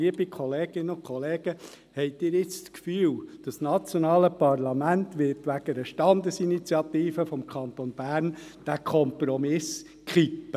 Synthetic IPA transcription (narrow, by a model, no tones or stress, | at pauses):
iəbikχɔleːɡɪnːəʊkʰχɔleːɡ̥ə | hɛɪtɪːɾɪt͡st͡skfyːwd̥ɑsnɑt͡sjɔnɑːləpɑrlɑmænt̪ʋɪrtʋæɡəɾəʃtɑnd̪əsinit͡sjɑt̪iːfəfɔmkʰɑnt̪onb̥æːrnd̥ækʰɔmpɾɔmɪs | kχipːə